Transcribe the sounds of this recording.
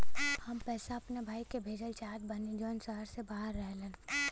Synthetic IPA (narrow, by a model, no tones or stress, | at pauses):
hɐmpɛːsaɐpnebʱaːikebʱeːd͡ʒəlt͡ʃaːt̪̚bɐnid͡ʒɔːnsəɦəɾsebaːɦəɾːɛɦlẽː